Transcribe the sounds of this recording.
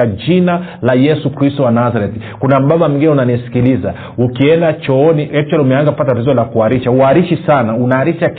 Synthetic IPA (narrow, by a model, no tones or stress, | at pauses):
ad͡ʒinalajɛsukɾistɔwanazaɾɛti̥ | kunam̩ɓaɓam̩ɡinɛunanisi̥kiliza | ukiɛndat͡ʃɔɔniɛt͡ʃɔlumɛanzakupatatatizɔlakuaɾiʃauaɾiʃisanaunaːɾiʃak